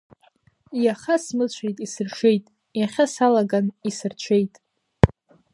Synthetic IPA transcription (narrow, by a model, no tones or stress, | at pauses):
jaχasmɨt͡ɕʷʰejtʼisɨrʂejtʼ | jaχʲasalaɡanisɨrt͡ɕʷʰe̞jtʼ